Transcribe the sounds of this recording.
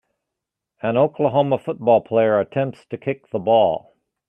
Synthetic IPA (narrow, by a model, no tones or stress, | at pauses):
ə̃noʊklˠəɦõʊməfʊt̚b̥ɔlˠpʰl̥eɪə˞ɨtʰɛ̃mp̚tstʰɨkʰɪk̚ðəbɔlˠ